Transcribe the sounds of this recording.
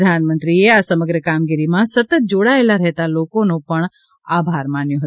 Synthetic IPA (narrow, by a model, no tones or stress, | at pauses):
d̪ʱanmənt̪ɾieasəməɡɾəkamɡiɾimãsət̪ət̪̚d͡ʒoɽaelaɾəɦɛt̪alokonũpəɳ | abʱaɾmanjõɦət̪u